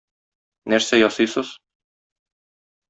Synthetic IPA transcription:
næɾsæjɒsɤjsɤz̥

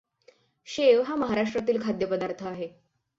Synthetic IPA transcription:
ɕeʋɦaməɦaɾaʂʈɾat̪̬iːlkʰad̪jəpəd̪aɾt̪ʰəaɦe

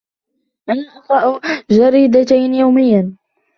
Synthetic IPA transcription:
ʔanaʔɑfˤɑʔd͡ʒaɾiːd̪at̪ajnjawmɪjːa

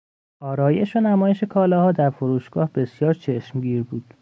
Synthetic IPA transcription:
ɒːɾɒːje̞ʃonæmɒːjeʃe̞kʰɒːlɒhɒːd̪æɾfoɾuːʃɡ̥ɒːhb̥e̞sjɒːɾt͡ʃʰeʃmɟiːɾbuːd̪̥

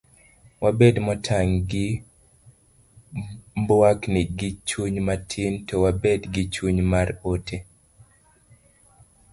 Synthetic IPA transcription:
wabedmɔtʰaŋɡɪ | mbwaknɪɡɪt͡ʃuɲmatʰɪntɔwabedɡɪt͡ʃuɲmaɾotʰe

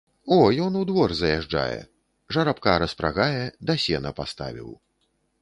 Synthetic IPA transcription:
ɔjɔnud̪vɔrzɐjaʐd͡ʐa̰jɛ̰ | ʐɐɾapkaɾɐspɾa̰ɣajɛd̪asʲɛnɐpast̪a̰vʲḭw

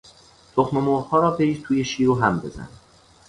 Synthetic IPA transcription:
t̪ʰoxmemoːɾhɒːɾɒːbeʃt̪ʰuːjeʃiːɾuːɦæmbe̞̰zæ̰n

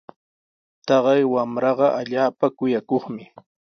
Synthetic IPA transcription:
t̪ɑɢɑjwamɾɑɢɑʔaʎaːpakʊjakoχmɪ

